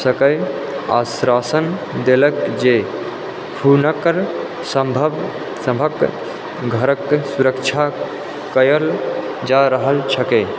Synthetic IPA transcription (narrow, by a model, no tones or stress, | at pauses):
səkəɪ | a̰sɾasən | d̪eləkd͡ʒe | pʰunəkɾ | səmbʱəb | səmbʱək | ɡʱəɾəksuɾəkt͡ʃʰa | kəjəl | d͡ʒaɾəɦəlt͡ʃʰəke